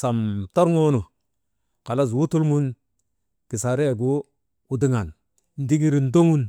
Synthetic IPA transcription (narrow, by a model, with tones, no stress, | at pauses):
sa˨mto˦ɾŋo˦nu˨ | ka˨la˦s̬wu˦tu˦lmu˦n | ki˨sa˨ɾe˦˨ɡu˦ | wu˦di˦ŋa˨n | n̩˦di˦ɡi˦ɾi˨ndo˦ŋu˦n